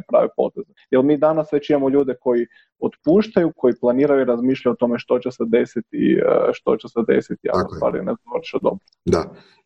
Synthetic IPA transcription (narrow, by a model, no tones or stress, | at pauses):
pɾa̰ʋepo̞̰t̪ezejelˠmiːd̪anasːʋet͡ʃijamoʎuːd̪eko̞ji | ot̪puːʃt̪ajuko̞jiplˠaniːɾajuiɾazmiːʃʎajot̪o̞meʃt̪o̞t͡ɕesed̪e̞sit̪ḭʃt̪o̞̰t͡ɕesed̪ḛsit̪ia̰o̰usʋa̰ːɾḭnezaʋɾʃad̪o̞̰bɾod̪a